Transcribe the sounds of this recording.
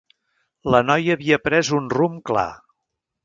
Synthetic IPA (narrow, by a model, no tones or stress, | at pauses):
lənɔjəːβiəpɾɛzunrumkla̰